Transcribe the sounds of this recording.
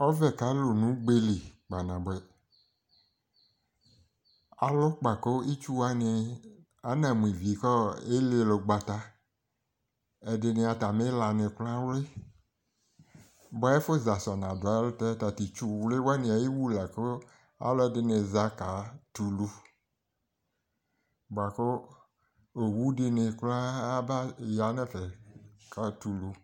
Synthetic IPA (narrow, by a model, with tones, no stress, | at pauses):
ɔ˦vɛ˨ka˨˦lo˨nũ˦ɡ͡be˦li˨ɡ͡ba˨nã˨bɛ˨ | a̰˨lɔ˦k͡pa˨ko˦ʔi˦t͡ʃu˦wa˦ne˨ | a˨˦nã˨mũ˨ĩ˨vi˨˦kɔ˦e˦le˨lo˨ɡ͡ba˨t̪a˨ | ɛ˨dɪ˨ne˨a˨ta˨me˦la˨nẽ˨klã˦wle˦ | bɔ˨˦e˦fo˦za˨sɔ˨nã˨dlo˦t̪ɛ˦t̪a˨t̪i˨t͡ʃu˦˨wle˦wa˦nĩ˨a˨ji˦wu˦la˨ko˦ | a̰˦lɔ˦ɛ˦˨dɪ˨ne˨za˦ka˨t̪u˨lu˦ | bɔ˨a˨ko˦ | o˨wu˦ɖi˦ne˨kla˦a˦ba˦ja˨nɛ̃˦fɛ˨ka˨t̪u˨lu˨